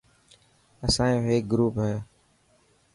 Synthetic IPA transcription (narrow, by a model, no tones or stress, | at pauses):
əsãːẽɦeːk̚ɡɾuːpɦɛː